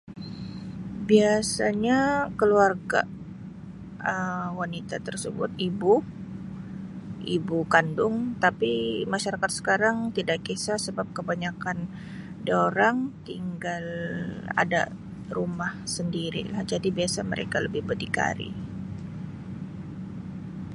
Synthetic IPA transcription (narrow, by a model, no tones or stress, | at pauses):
biasaɲakəluarɡa̰ | əwanit̪at̪ərsəbʊ̰t̪ibu | ibukandʊŋt̪apimaʃaɾakat̪̚sə̥kaɾaŋt̪idaʔkisasəbap̚kəbaɲakan | doɾaŋt̪iŋɡala̰da̰ | rumahsəndiɾḭla̰hd͡ʒadibiasamə̰ɾʔḛkaləbɪhbədika̰ɾḭ